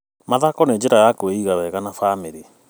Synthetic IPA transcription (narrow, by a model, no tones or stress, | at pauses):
maðakɔneɲd͡ʑeɾaɣakweiɣaɾwɛɣanafamiɾi